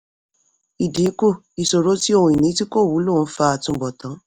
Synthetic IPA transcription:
i˨dĩ˨˦ko˦˨ | i˨so˨ɾo˦ti˦o˦˧hũ˧i˨nĩ˨˦ti˦ko˦˨wu˨˦lo˦˨˦fa˧a˧tũ˧˨bɔ˨tã˨˦

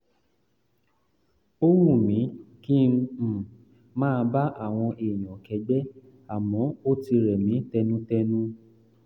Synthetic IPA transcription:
o˦ɾũ˦˨mĩ˨˦kĩ˦˧˦ | mãː˦˧ba˦ʔa˦˨w̃ɔ̃˧ʔe˨j̃ɔ̃˨kɛ˨˦ɡ͡bɛ˦ | a˨mɔ̃˨˦o˦ti˧ɾɛ˨mĩ˨˦tɛ˧nũ˦tɛ˧nũ˦

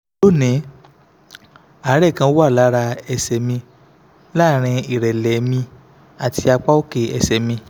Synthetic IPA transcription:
lo˦˨nĩ˨˦ | a˨˦ɾɛ˦˨kã˧˦wo˦a˦˨la˨˦ɾa˧ɛ˧sɛ˧mĩ˧ | la˦˨ɾ̃ĩ˧i˨ɾɛ˨lɛ˨mĩ˧ | a˨ti˧a˧k͡pa˦o˦ke˦˨ɛ̰˧sɛ˨mĩ˧

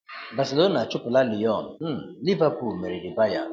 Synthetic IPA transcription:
ba˨si˨lo˦na˨t͡ʃʊ˦pʊ˨la˦li˨ɔ˦˨n̩˨˦˨ | li˦va˦pu˨lme˨ɾi˨di˨ba˦ja˦˨

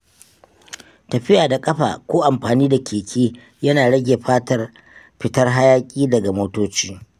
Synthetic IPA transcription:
tɐ˨ɸɪ˦jaː˨da˨kʼɐ˦ɸa̰ː˨kʷoː˦ʔa˨mɸaː˨niː˦da˨kʲʰeː˨kʲiː˦ | jɐ˦naː˨ɽɐ˦ɡʲeː˨ɸaː˦tɐ˨r | ɸɪ˨tɐ˦rɦa˦jaː˦kʲʼiː˦dɐ˨ɡa˨moː˦toː˦t͡ʃiː˦

